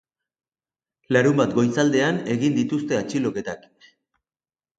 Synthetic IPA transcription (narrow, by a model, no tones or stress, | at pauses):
laɾumbat̪ɡo̞jt͡sald̪e̞ane̞ɣind̪it̪ust̪e̞at͡ʃilo̞ke̞t̪ak